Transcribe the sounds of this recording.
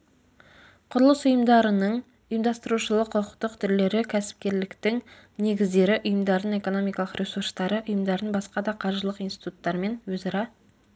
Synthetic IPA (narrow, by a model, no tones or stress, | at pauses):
qʰʊɾəlˠəsʊjəmd̪ɑɾənəɴ | ʊjəmd̪ɑst̪əɾuʃəlˠəqʰːʊqʰə̥qt̪əqt̪ʰɪɾle̞ɾɪkʲʰæsɪ̥p̚kʲe̞ɾlɪkt̪ɪŋ | ne̞ɡʲɪzd̪e̞ɾɪʔʊjəmd̪ɑɾəne̞ko̞no̞mijkɑlˠəqɾʲʔe̞suɾst̪ɑɾəʔʊjəmd̪ɑɾənbɑsqɑd̪ɑqʰɑɾʒəlˠəqinsi̥t̪ut̪ːɑɾme̞nwɵzɑɾɑ